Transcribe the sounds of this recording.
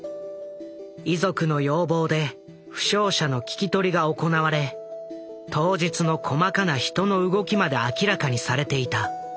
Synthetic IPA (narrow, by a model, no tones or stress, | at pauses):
izo̞kɯ̟no̞jo̞ːbo̞ːd̪e̞ | ɸɯ̟̥ɕo̞ːɕanokʲi̥kʲit̪o̞ɾʲiɡaoko̞naβaɾe̞ | t̪o̞ːʑit͡sɨno̞kʰo̞makanaçi̥t̪o̞no̞ɯ̟ɡo̞kʲimad̪e̞akʲiɾakaɲ̟isaɾe̞t̪e̞it̪a